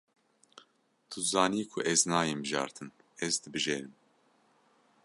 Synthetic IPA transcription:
t̪ʰuzɑːniːkʰʊʔɛznɑːjembɨʒɑ̰ːɾt̪ʰɨn | ɛzd̪ɨbɨʒeːɾɨm

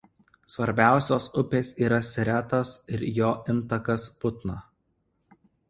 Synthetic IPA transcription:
sʋɐɾʲbʲæˑʊsʲoːsʊpʲeːsʲiːɾɐsʲɪɾʲæt̪ɐsɪɾjoːʔɪnˑt̪ɐkɐspʊt̪nɐ

